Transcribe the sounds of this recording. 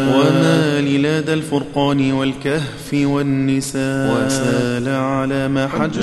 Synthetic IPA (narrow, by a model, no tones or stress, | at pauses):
wamaːlɪlaːd̪alfʊɾqɑːnɪwalkahfɪwanːɪsaːwasaːlaʕalaːmaːħad͡ʒ